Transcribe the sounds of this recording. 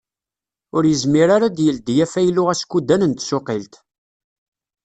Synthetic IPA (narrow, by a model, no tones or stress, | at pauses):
ʊɾjəzmiɾaɾad̪jəld̪jæfæjlʊʁæskːud̪ænənt̪sʊqilt̪